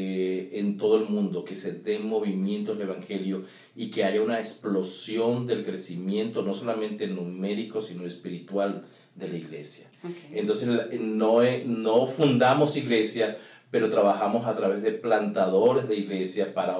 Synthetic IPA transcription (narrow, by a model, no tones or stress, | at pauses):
ent̪o̞ðo̞e̞lmũnd̪o̞ke̞se̞ðe̞mo̞β̞imjẽ̞nt̪oele̞βaŋxe̞ljo̞ | ike̞aʝaunaeksplo̞sjo̞nd̪e̞lkɾe̞simjẽ̞nt̪o̞no̞so̞lamẽ̞nt̪enume̞ɾiko̞sino̞espiɾit̪wal | d̪e̞laiɣle̞̰sjaent̪o̞nseslnoeno̞fund̪amo̞siɣle̞sja | pe̞ɾo̞t̪ɾaβaxamo̞sat̪ɾaβe̞zðe̞plant̪aðo̞ɾe̞zðeiɣle̞sjapaɾa